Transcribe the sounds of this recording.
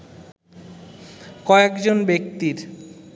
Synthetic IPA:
kɔekd͡ʑonbek̚t̪iɾ

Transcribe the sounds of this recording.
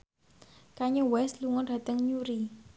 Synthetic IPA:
kaɲɔwɛsluŋɔnɖ̥a̤t̪əŋɲuɾi

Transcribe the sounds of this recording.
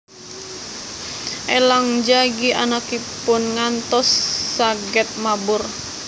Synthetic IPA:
ʔelaŋd͡ʒaɡianakipʊnŋant̪ɔsːaɡɛt̪̚mabʊr

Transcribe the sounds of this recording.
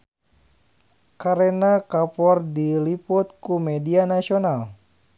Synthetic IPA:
kaɾenakapɔrdilipʊt̪̚kumɛdianasional

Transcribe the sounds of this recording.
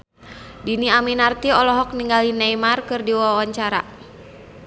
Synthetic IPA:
diniaminart̪iɔlɔɦɔk̚niŋɡalinajmarkɨrdiwawaɲt͡ʃaɾa̰

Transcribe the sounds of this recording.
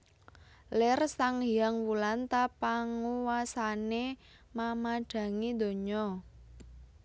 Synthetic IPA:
lɪrsaŋijaŋwulant̪apaŋuwasane | mamaɖ̥ä̤ŋid̪̥o̤ɲɔ

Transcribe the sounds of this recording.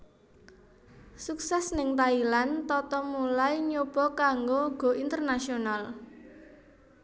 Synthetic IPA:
suk̚sɛsnɪŋt̪ailant̪ɔt̪ɔmulajɲob̥ɔ̤kaŋɡoɡ̥o̤ʔint̪ərnasional

